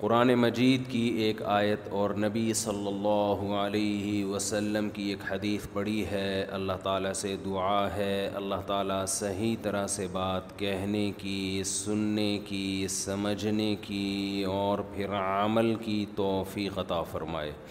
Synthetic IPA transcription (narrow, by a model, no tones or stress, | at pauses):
qʊɾaːnemɐd͡ʒiːd̪kieːkaːjət̪ɔːɾnɐbisɐlːɐlːaːɦuəleːɦiʋɐsəlːəmkieːkhɐd̪iːsbɐɽiɦɛɐ̰lːaɦt̪aːlased̪ʊaɦɛɐ̰lːaɦt̪aːlasɐɦit̪ɐɾəɦsebaːt̪kɛɦnekisʊnːekisɐməd͡ʒʱnekiɔːɾpʰɪɾɐməlkit̪ɔːfiːqɐt̪afɐɾma̰ːḛː